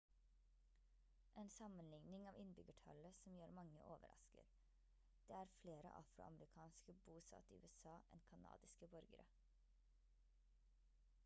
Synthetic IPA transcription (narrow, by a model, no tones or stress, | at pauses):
ʔeːnsɑmənlɪŋnɪŋɑːʋɪnbʏɡəʈʰɑ̰ləsɔmjøːɾmɑŋə̰ʔoːʋə̰ɾɑ̰skə̰ɾ | d̪̥eːæːɾfleːɾə̰ʔɑ̰fɾʊ̰ɑ̰mɾɪkʰɑːnskəbuːsɑ̰ːt̪ḭʉ̰ɛsɑːʔɛ̰nkʰɑnɑ̰ːd̪ɪskəbɔɾɡəɾə̰